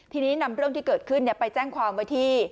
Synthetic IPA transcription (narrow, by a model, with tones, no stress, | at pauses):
t̪ʰiː˧niː˦˥na˧mɾɯ˥˩əŋt̪iː˥˩kɤː˨˩t̪̚kʰɯ˥˩nːi˦˥˩pa˧jt͡ɕɛː˥˩ŋkʰwaː˧mwa˦˥˩jt̪ʰiː˥˩